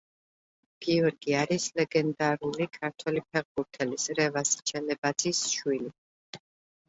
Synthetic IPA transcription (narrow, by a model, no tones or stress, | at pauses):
ɡ̥iɔɾɡiaɾislɛɡɛnd̪aɾulikʰaɾt̪ʰwɛlip̚ʰɛʁbuɾt̪ʰɛlisɾɛvast͡ʃʰɛlɛbad̪z̥isʃwili